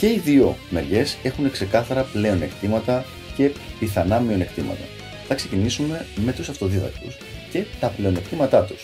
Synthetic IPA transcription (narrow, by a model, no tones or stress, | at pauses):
ce̞iðio̞meɾʝe̞se̞xune̞kse̞kɐθɐɾɐple̞o̞ne̞kt̪imɐt̪ɐ | ce̞piθɐnɐmio̞ne̞kt̪imɐ̰t̪ɐ | θɐkse̞cinisume̞me̞t̪usɐft̪o̞ðiðɐ̰k̚t̪ṵsce̞t̪ɐple̞o̞ne̞kt̪imɐt̪ɐt̪u̥s